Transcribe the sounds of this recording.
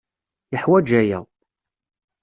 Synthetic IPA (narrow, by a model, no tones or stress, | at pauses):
jəħwæd͡ʒæjə̰ʁ